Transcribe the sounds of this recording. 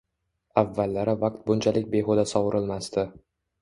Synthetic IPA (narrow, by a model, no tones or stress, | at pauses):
avːalːaɾɪvaq̚t̪̚bʊnt͡ʃʰalɪk̚ʲbe̞ɦod̪asɒwɾɪlmast̪ɪ